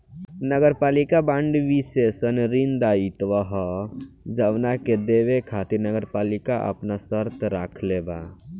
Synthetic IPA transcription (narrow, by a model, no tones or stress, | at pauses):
nəɡəɾpaːlikabãɳɖʋisesənɾind̪ait̪ʋaɦɔ | d͡ʒəʋnaked̪eʋekʰat̪iɾnəɡəɾpalikaʔə̰pnasəɾt̪ɾakʰleba̰